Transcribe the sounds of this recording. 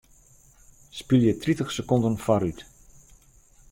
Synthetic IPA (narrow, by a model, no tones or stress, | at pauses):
spilˠjətritəxsəkɔndənfaɾyt